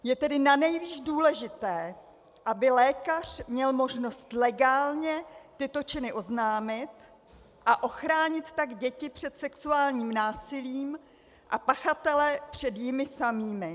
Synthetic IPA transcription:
jɛt̪ɛdɪnanɛjviːʒduːlɛʒɪt̪ɛː | ʔabɪlɛːkar̝̥mɲɛlmo̞ʒno̞st̪lɛɡaːlɲɛt̪ɪt̪o̞t͡ʃɪnɪʔo̞znaːmɪt̪ | ʔaʔo̞xɾaːɲɪt̪t̪aɡɟɛcɪpr̝̥ɛt̪sɛksuaːlɲiːmnaːsɪliːm | ʔapaxat̪ɛlɛpr̝̥ɛd̪jɪmɪsamiːmɪ

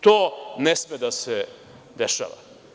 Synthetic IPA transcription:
t̪oːnesmed̪ase | d̪eʃa̰ːʋa̰

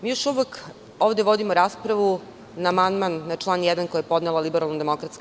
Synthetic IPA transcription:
miːjo̞ʃuʋek | oːʋd̪eʋo̞d̪imoɾaːspɾaʋu | naːmand̪manːat͡ʂlˠaːnjɛd̪ankojajepo̞d̪nelˠalibeɾalˠnod̪emokɾat̪sk

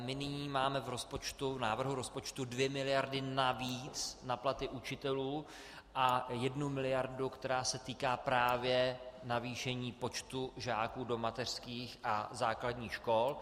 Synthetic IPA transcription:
mɪnɪɲiːmaːmɛvɾo̞spo̞t͡ʃt̪uvnaːvr̩ɦuɾo̞spo̞t͡ʃt̪udvjɛmɪlɪjaɾdɪnaviːt͡snaplat̪ɪʔut͡ʃɪt̪ɛluː | ʔajɛdnumɪlɪjaɾdukt̪ɛɾaːsɛt̪iːkaːpɾaːvjɛnaviːʃɛɲiːpo̞t͡ʃt̪uʒaːkuːdo̞mat̪ɛr̝̥skiːxʔazaːkladɲiːxʃko̞l

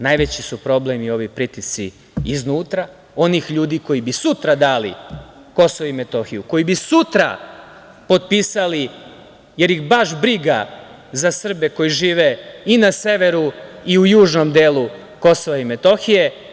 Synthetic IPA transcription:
najʋet͡ɕisupɾo̞blemio̞ʋipɾit̪isḭː | znuːt̪ɾa | o̞nixʎuːd̪iko̞jibisut̪ɾad̪aːlḭ | ko̞soʋaime̞t̪o̞xijuko̞jibisut̪ɾa̰ | po̞t̪̚piːsali | je̞ɾjixbaʃbɾiɡa | zasr̩be̞ko̞jiʒiːʋe̞inase̞ʋe̞ɾuiujuːʒno̞md̪eːlu | ko̞so̞ʋaime̞t̪o̞xije̞

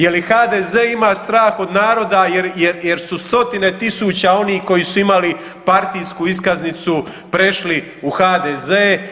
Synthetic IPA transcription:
jelixaːd̪eːzeːimaːst̪ɾaːxo̞d̪naːɾo̞d̪ajeɾjeɾje̞ɾsust̪o̞t̪ine̞t̪isuːt͡ɕao̞niːhko̞jisuimali | paɾt̪ijskuiskaznit̪su | pɾe̞ʃli | uxaːd̪ezeː

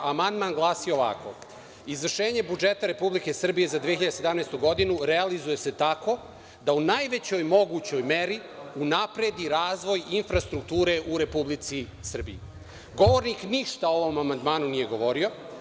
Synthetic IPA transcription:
amand̪maːnɡlˠaːsiooʋa̰ko̞̰ | izʋr̩ʃeːɲe̞bud͡ʒe̞t̪aɾepublike̞sr̩bije̞zad̪ieçiʎad̪esed̪amnejst̪uɡo̞d̪inuɾe̞alizuje̞se̞t̪ako̞ | d̪aunajʋe̞t͡ɕo̞jmo̞ɡuːt͡ɕo̞jme̞ɾi | unapɾe̞d̪iɾaːzʋo̞jinfɾast̪ɾukt̪uːɾe̞ʔuɾe̞publit̪si | sr̩bḭi | ɡo̞ʋo̞ɾnikniʃt̪aoʋo̞mamand̪maːnunije̞ɡo̞ʋo̞ɾio̞

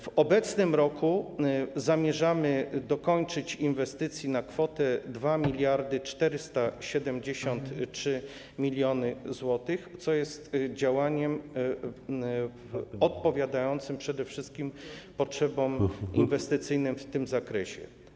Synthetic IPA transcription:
vɔbɛt̪snɘmɾɔkʰuzamʲjɛʐamɘd̪ɔkɔɲt͡ʂɘt͡ɕinvɛst̪ɘt̪sʲjinakfɔt̪ɛd̪vamʲilʲjaɾd̪ɘt͡ʂt̪ɛɾɘst̪aɕɛd̪ɛmd͡ʑeɕɔnt̪tʂɘ | mʲilʲjɔnɘzwɔt̪ɘxt̪sɔjɛst̪d͡ʑawaɲɛm | ɔt̪̚pɔvʲjad̪ajɔnt̪sɘmpʂɛd̪ɛfʂɘst̪̚kʲimpɔtʂɛbɔminvɛst̪ɘt̪sɘjnɘmft̪ɘmzakɾɛɕɛ̰

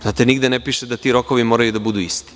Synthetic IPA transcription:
zaːt̪eniɡd̪enepiːʃed̪at̪iɾoko̞ʋimoːɾajud̪abud̪uːist̪i̥

